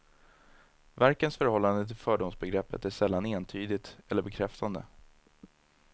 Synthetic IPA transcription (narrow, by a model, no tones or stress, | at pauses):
væɾkənsfœɾhɔlːand̪ət̪ʰɪlfœːɖʊmsbɛɡɾɛpːət̪æʂɛlːaneːnt̪ʰyːd̪ɪt̪ɛlːəbɛkʰɾɛft̪ʰand̪ə̰